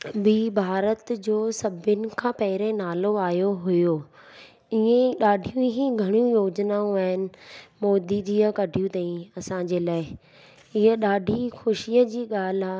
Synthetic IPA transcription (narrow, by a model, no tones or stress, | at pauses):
biːbʱaːɾət̪d͡ʑoːsɐbʱɪnɪ̆kʰãːpɐɦɪɾẽnaːloaːjoɦʊjoː | ɪɦẽɗaːɖʱijũɦiɡʱɐɽ̃jũjoːd͡ʑnaːũaːɦɪnɪ̆mɔːd̪id͡ʑiːəkɐɖʱijũt̪aːĩɐsãɲd͡ʑeːlaːɪ | ɪɦəɗaːɖʱixʊʃiːəd͡ʑiːɠaːl̤aː